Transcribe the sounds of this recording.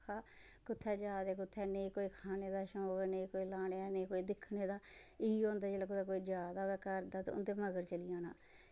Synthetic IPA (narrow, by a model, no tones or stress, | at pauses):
kʰaː | kʊt̪ʰːɛːd͡ʒaːd̪eːk̬ʊt̪ʰːɛːneikoːiːkʰaːneːd̪aːʃõːɡəɾnekoːiːlaːneaneːkoːiːd̪ɪkʰneːd̪aː | ɪõːnd̪aːd͡ʒeːlaːk̬ʊt̪ʰːɛːkoːiːd͡ʒaːd̪aːʋɛːkəɾd̪aːt̪ḛʊ̰nd̪eːməɡəɾt͡ʃəlɪjãːnaː